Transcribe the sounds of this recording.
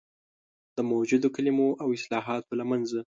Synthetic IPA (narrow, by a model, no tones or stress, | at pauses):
d̪̥əmawd͡ʒud̪okalimoʔawɪslɑɦɑt̪olamanza